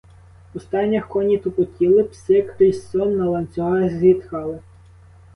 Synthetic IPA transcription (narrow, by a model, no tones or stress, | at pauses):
ʊst̪ɑnʲːɐxkɔnʲit̪ʊpʊtʲilˠɪpsɪkrissɔnːɐlˠɐnʲt͡sʲɔɦɑzʲit̪kɑlˠɪ